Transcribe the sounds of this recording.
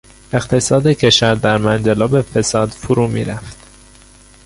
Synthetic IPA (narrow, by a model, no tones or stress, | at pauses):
eqt̪ʰe̞sɒːd̪ecʰe̞ʃæɾd̪æɾmænd͡ʒælɒːbefesɒːd̪̥fuɾuːmḭːɾæft̪